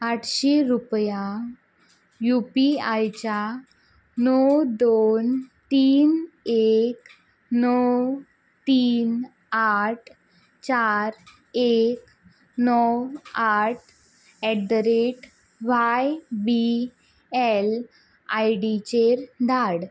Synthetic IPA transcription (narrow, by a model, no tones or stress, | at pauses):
aʈʰɕeɾupjã | jupiajt͡ɕa | nɔwd̪ont̪iːnek | nɔw | t̪iːn | aʈʰ | t͡ɕaɾ | ek | nɔwaʈʰ | ɛɖəɾeʈ | ʋajbi | ɛl | ajɽit͡ɕeɾd̪ʱaɽ